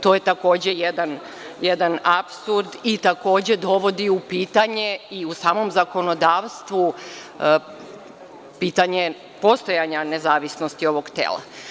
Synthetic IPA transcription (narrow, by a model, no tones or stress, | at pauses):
t̪o̞je̞t̪ako̞ːd͡ʑe̞jed̪an | jed̪anapsuɾd̪it̪ako̞ːd͡ʑe̞d̪o̞ʋo̞d̪iupiːt̪aɲeiusaːmo̞mzako̞no̞d̪aːʋst̪ʋu | piːt̪aɲe̞ | po̞st̪o̞jaɲane̞zaːʋisnost̪io̞ʋo̞ɡt̪ḛːlˠa̰